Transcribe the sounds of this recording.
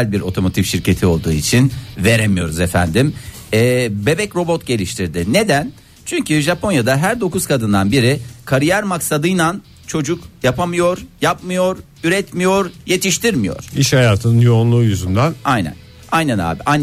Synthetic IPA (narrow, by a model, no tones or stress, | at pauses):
lʲbiɾʔo̞̰t̪ʰo̞mo̞t̪ʰifʃiɾce̞t̪ʰio̞lˠd̪uːit͡ʃʰinve̞ɾemijo̞ɾuzefæ̰nd̪im | ɛːbe̞bɛcɾo̞bo̞t̪ɟe̞lʲiʃt̪ʰiɾd̪ɪne̞d̪æn | t͡ʃʰyɲcyʒapʰo̞njad̪aɦæɾd̪o̞kuz̥kʰad̪ɯnd̪anbiɾɪkʰaɾijæɾmaksad̪ɯjnan | t͡ʃʰo̞d͡ʒukjapamɯjo̞ɾjap̚mɯjo̞ɾ | yɾɛt̪mijo̞ɾje̞t̪ʰiʃt̪iɾmijo̰ɾ̥iʃhajaːt̪ʰɯnɯnjo̞unlˠuːjyzynd̪anajnæ̰n | ajnæna̰ːbiʔajn